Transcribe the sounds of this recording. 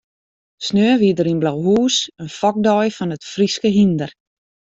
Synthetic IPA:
snøːʋidəɾinblawɦuːsənfɔk̚dɔjfɔnətfriskəɦindər

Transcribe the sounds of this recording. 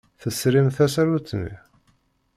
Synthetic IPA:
θəsɾimθæsæɾut͡sːnḭ

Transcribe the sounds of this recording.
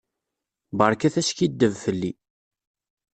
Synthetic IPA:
bəɾˤkæθæskid̪ːəvfəlːi

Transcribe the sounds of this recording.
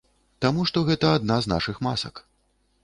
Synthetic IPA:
t̪amuʂt̪ɔɣɛt̪ɐad̪nazna̰ʂɨxma̰sɐ̰k

